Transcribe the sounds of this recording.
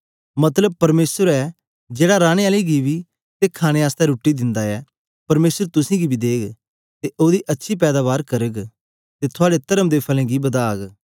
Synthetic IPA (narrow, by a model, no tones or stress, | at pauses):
mɐt̪ləb̚pɐɾmeːsəɾɛː | d͡ʒeːɽaɾaːɽ̃eaːliɡibi | t̪ekʰaːɽ̃eaːst̪ɛɾuːʈːid̪ɪ̃nd̪aɛː | pɐɾmeːsəɾt̪ʊsĩːɡibʱid̪eːɡ | t̪eʔoːd̪iʔɐtːʃʰip̬ɛːd̪aːβaːɾkɐɾəɡ | t̪et̪ʰʊaːɽet̪ɐɾəmd̪eːpʰɐlɛ̃ːɡibɐd̪aːɡ